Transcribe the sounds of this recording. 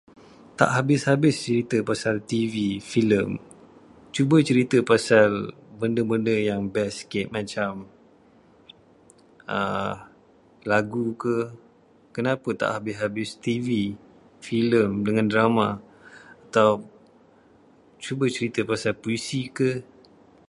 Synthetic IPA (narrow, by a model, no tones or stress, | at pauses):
t̪a̰ʔɦabɪshabɪst͡ʃəɾit̪əpasalt̪ivifiləm | t͡ʃubət͡ʃəɾit̪əpasal | bəndəbəndəjaŋbɛskɪt̪̚mãt͡ʃam | ə | laɡukə | kənapət̪a̰ʔhabɪsɦabɪst̪ivi | filəmdəŋãndɾama | at̪aw | t͡ʃubət͡ʃəɾit̪əpasalpuisikə